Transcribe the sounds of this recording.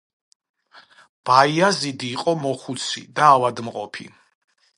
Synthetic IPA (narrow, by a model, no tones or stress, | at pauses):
b̥aiazid̪iːqʼɔmɔχut̪sʰḭd̪aːvad̪mqʼɔ̰pʰḭ